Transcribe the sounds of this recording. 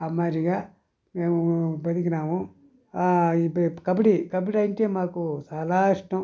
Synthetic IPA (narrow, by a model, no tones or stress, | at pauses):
ɐmːaːɾiɡaː | meːmubɐd̪ik̬inaːmu | ikɐbɐʈikɐbɐʈiɐjiɳʈeːmaːkut͡ʃaːlaːiʂʈɐm